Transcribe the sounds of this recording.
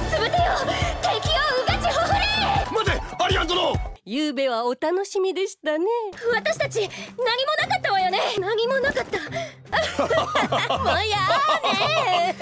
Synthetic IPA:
sɨbet̪ejok̪aikʲioɯɡat͡ɕiɦoɦoɾemazeaɾʲiazoɾojɯːbe̞βaot̪ano̞ɕimʲid̪e̞ɕi̥t̪ane̞βat̪aɕi̥t̪at͡ɕinaɲ̟ʲimo̞nakat̪ːamojone̞naɲ̟imo̞nakat̪ːa | mojane

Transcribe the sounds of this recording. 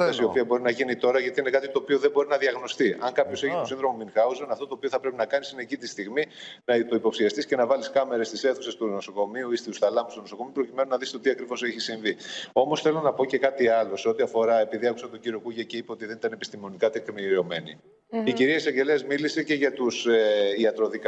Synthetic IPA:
ɐsio̞piɐbo̞ɾinɐʝinit̪o̞ɾɐʝɐt̪iine̞kɐt̪it̪o̞ːpioðebo̞ɾinɐðiɐɣno̞st̪iʔɐŋkɐpço̞se̞çitosĩnðɾo̞mominxɐuzɐnɐft̪o̞t̪oːpioθɐpɾe̞pinɐkɐnisinecit̪ist̪iɣminɐt̪o̞ipopsiɐst̪isce̞nɐvɐliskɐme̞ɾest̪ise̞θuse̞st̪uno̞so̞ko̞miuist̪iusθɐlɐmust̪unosokomiupɾo̞cime̞nonɐðist̪o̞t̪iɐkɾivo̞seçisiɱvio̞mo̞sθe̞lo̞nɐpo̞ce̞kɐt̪iɐlo̞se̞o̞t̪iɐfo̞ɾɐe̞piðiɐku̥sɐt̪oɟiɾio̞kuʝɐce̞ipeo̞t̪iðe̞nit̪ɐnepi̥st̪imo̞nikɐt̪ekmio̞me̞nḭ | iciɾiɐisɐɲɟe̞leɐzmilise̞ce̞ʝɐt̪useiɐt̪ɾo̞ðik

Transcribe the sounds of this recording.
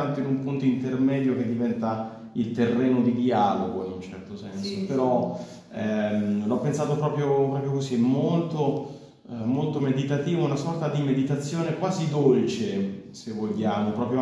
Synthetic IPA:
ant̪oinumpunt̪oint̪ermɛd̪jok̟ed̪ːivɛnt̪a | ilt̪erːeːnod̪id̪iaːloɡoinunt͡ʃɛrt̪osɛnsopeɾɔ | ɛmlɔpːensaːt̪opɾɔːpɾjopɾɔːpɾjokozimːolt̪o | molt̪omed̪it̪at̪iːvounasɔrt̪ad̪imed̪it̪at̪sːjoːnekwaːzid̪olt͡ʃesevːoʎːaːmopɾɔːpɾjo

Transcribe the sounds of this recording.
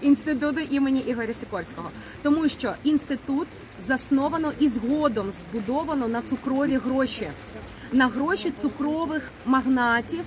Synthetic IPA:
inst̪ɪt̪̬ut̪̬ʊʔimenʲiʔiɦɔɾʲɐsʲɪkɔrsʲkɔɦɔ | t̪ɔmuʃt͡ʃɔinst̪ɪt̪ut̪ | zɐsnɔʋɐnɔʔizɦɔd̪ɔmzbʊd̪ɔʋɐnɔnɐt̪sʊkɾɔʋʲiɦɾɔʃʲi | nɐɦɾɔʃʲit̪sʊkɾɔʋɪx | mɐɦnɑtʲiw

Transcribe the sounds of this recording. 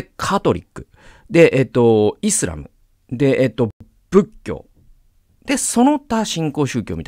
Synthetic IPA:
kʰat̪o̞ɾʲḭkːɯ̟̥ | d̪e̞ʔet̪ːo̞isɨɾa̰mɯ̟̰ | d̪e̞ʔet̪ːo̞ | b̥ɯ̟kʲːo̞̰ː | d̪̥e̞so̞no̞t̪aɕĩŋko̞ːɕɨ̟ːkʲo̞ːmit̪

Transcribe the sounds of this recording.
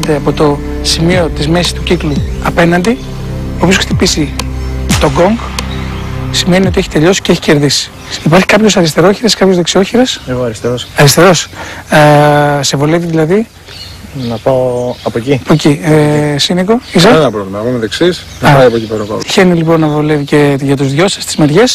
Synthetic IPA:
t̪eɐpo̞t̪o̞ | simio̞t̪izme̞sist̪uciklu | ɐpe̞nɐnd̪i | opioskt̪ipisi | t̪o̞ɡo̞ŋɡ | sime̞nio̞t̪ie̞çit̪e̞ʎo̞si̥ceeçi̥ce̞ɾðisi̥ | ipɐɾçi̥kɐpço̞sɐɾist̪e̞ɾo̞çiɾeskɐpçozðeksio̞çiɾeseɣoɐɾist̪eɾosɐɾist̪e̞ɾo̞s | se̞vo̞le̞viðilɐði | nɐpaoɐpociɐpocisinekoisɐenɐpɾovlimɐnɐponeðeksis | nɐpɐiɐpocipeɾonɐpɐ̰içe̞nilipo̞nːɐvo̞levice̞ʝɐt̪uzðʝo̞sɐ̥st̪i̥zmeɾʝe̞s

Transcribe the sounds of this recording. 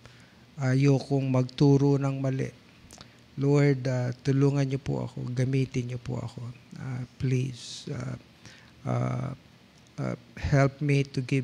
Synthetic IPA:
ʔajokoŋmɐɡ̚t̪uːɾonɐŋmɐlɛ̰ʔ | loɹd̪at̪ʊluːŋɐnɲopo̰ʔɐ̰ko̞̰ɡɐmiːt̪ɪnɲopo̰ʔɐ̰ko̞aplisa̰ | ʔa̰ | hɛlp̚mit̪ʊɡɪ

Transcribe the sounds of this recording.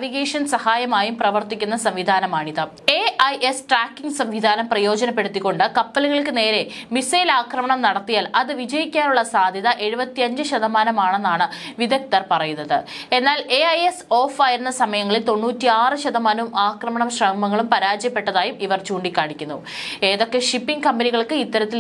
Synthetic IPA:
ʋiɣeːʂɐnsɐhaːjɐmaːjumprɐʋɐrt̪ikʲːunːɐsɐmʋid̪ʱaːnɐmaːɳiðɨ | eʔɐjʔesʈraːkːiŋɡsɐmʋid̪ʱaːnɐmprɐjo̞ːd͡ʑɐnɐpːe̞ɽut̪ːikːo̞ɳɖɨkɐpːɐluɣɐɭkɨne̞ːɾe̞misɐjilaːkrɐmɐɳɐmnɐɽɐt̪ːijaːlʔɐðɨʋid͡ʑɐjikʲːaːnuɭːɐsaːd̪ʱjɐðɐʔe̞ɻubɐt̪ːiɐɲd͡ʑɨɕɐðɐmaːnɐmaːɳe̞nːaːɳɨʋiðɐk̚t̪ɐrpɐrɐjunːɐðɨe̞nːaːle̞ɐjeso̞ːfaːjiɾunːɐsɐmɐjɐŋːɐɭilt̪o̞nːuːtːiaːrɨɕɐðɐmaːnumaːkrɐmɐɳɐmɕrɐːmɐŋːɐɭumpɐɾaːd͡ʑjɐpːe̞ʈːɐðaːjumiʋɐrt͡ɕuːɳɖikʲːaːɳikʲːunːu | e̞ːðo̞kːe̞ʂipːiŋɡkɐmbɐniɣɐɭkɨit̪ːɐɾɐt̪ːi

